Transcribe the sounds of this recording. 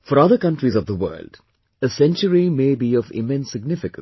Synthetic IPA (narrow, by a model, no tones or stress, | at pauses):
fɔɾʌd̪əɾkʌ̃nʈɾizɔʋd̪əwə̰ːlɖ | əsɛ̃nt͡ʃəɾimeːbiɔʋɪ̰mɛ̃nsːɪɡnɪfɪkə̃ns